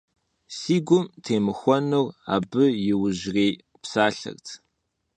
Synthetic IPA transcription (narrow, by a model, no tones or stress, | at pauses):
siːɡʷʊmtʰeːmɨxʷɔnura̰ːbɨjɪwʊʑreː | psaːɬɐ̰rtʰ